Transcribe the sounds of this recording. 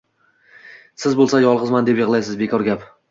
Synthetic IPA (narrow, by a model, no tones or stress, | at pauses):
sɪzbolˠsajɒlˠʁɨzmand̪e̞pjɪʁlˠajsɪzbe̞kʰɒɾɡʲap